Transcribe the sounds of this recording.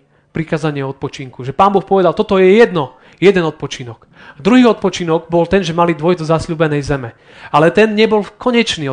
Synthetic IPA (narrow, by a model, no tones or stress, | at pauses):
pɾikaːzaɲɪɛɔt̪̚pɔt͡ʃiŋkuʒɛpaːmbɔxpɔʋɛd̪alt̪ɔt̪ɔjɛjɛd̪nɔ | jɛd̪ɛnɔt̪̚pɔt͡ʃinɔɡ̥ | d̪ɾuɦiːɔt̪̚pɔt͡ʃinɔɡbɔlt̪ɛnʒɛmalid̪ʋɔjd̪ɔzasʎuːbɛnɛjzɛmɛ | alɛt̪ɛnɲɛbɔlkɔɲɛt͡ʃniː